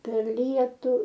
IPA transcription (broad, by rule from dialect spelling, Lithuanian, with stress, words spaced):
pʲɛr ˈlʲiɛtʊ